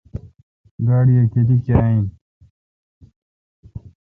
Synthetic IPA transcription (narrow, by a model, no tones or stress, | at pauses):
ɡaːɽijeked̪ikaːĩ